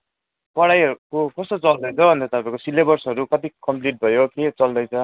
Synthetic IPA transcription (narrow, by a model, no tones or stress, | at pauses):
pʌɽajʌɾukokʌst̪ot͡sʌld̪ʌjt͡sʰʌbʱʌnd̪ʌt̪ʌpaĩkosilebʌrsɦʌɾukʌt̪ikʌmpliʈ̚bʱʌjoket͡sʌld̪ʌjt͡sʰʌ